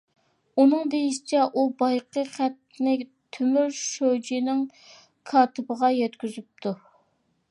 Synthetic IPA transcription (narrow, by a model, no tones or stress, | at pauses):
unɨŋb̪ejiʃɪ̥t͡ʃʰɛʔubɑjqəχæt̪nɪt̪ʰymyɾʃød͡ʒinɪŋ | kʰɑːt̪ʰɨbəʁɑjɛt̪kʲyzyp̚t̪ʰu